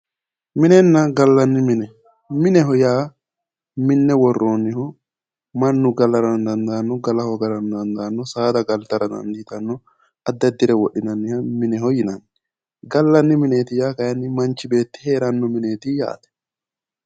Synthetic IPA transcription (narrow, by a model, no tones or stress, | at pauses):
mɪnɛnːɐɡɐlːɐnːɪmɪnɛ | mɪnɛɦɔjaː | mɪnːɛwɔrːoːnːɪɦɔ | mɐnːʊɡɐlɐɾɐnd̪ɐnd̪aːnːɔɡɐlɐhɔɡɐɾɐnd̪ɐnd̪aːnːɔsaːd̪ɐɡɐlt̪ːɐɾɐd̪ɐ̰nd̪it̪ɐnːɔ | ɐd̪ːɐd̪ːɪɾɛwɔɗːɪnɐnːɪhɐmɪnɛɦɔjɪnɐnː | ɡɐlːɐnːɪmɪneːt̪ɪjaːkɐjɐnːɪmɐnt͡ʃːɪbe̞ːt̪ːɪ̥he̞ːɾɐnːɔmɪneːt̪ɪja̰ːt̪ɛ̥